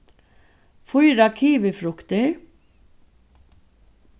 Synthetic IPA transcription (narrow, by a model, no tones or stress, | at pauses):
fʊjɾɑkʰiːʋəfɾʊkt̪əɹ